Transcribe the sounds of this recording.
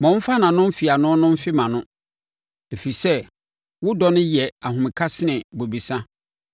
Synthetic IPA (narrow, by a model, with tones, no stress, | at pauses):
mɔ̃˨m̩˦fa˦nã˨nʊ̃˦m̩˦fi˨a˨nʊ̃˦nʊ̃˦m̩˦fɪ˦mã˨nʊ̃˦ | e˨fe˨i˨sɛ˦ | wʊ˦dɔ˦nʊ̃˦jɛ˨a˨ɦʊ̃˨mɪ̃˨kʰa˦sɪ˦nɪ̃˨bo˨bi˨sã˦